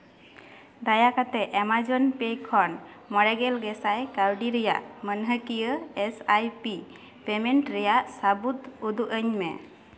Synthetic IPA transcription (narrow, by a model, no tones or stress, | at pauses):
d̪ajakat̪ɛʔɛmad͡ʒɔnpejkʰːɔnmɔɽɛɡɛlɡɛsajkawɖiɾɛja̰ʔmənɦəkijəesajpi | pemeɳʈɾɛjaʔsabut̪ud̪uʔəɲmɛ̰